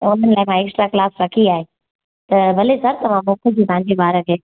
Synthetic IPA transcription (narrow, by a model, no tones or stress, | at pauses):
ʊn̤ənɪlaːɪmãeːksʈɾaklaːsɾɐkʰiaːɦe | t̪ɐʋɐlesɐɾt̪ɐʋ̤ãmõːkʰəd͡ʑiːt̪ɐ̃ãɲd͡ʑebaːɾəkʰeː